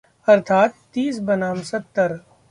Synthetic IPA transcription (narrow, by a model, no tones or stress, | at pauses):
ɐɾt̪ʰaːt̪ːiːs̬bɐnaːmsɐt̪ːəɾ